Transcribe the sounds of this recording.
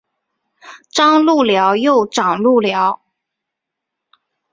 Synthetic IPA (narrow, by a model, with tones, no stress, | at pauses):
ʈ͡ʂɑ˥ŋlu˥˩ljɑ˧˥ʊjo˥˩ʊʈ͡ʂɑ˨˩ŋlu˥˩ljɑ˧˥ʊ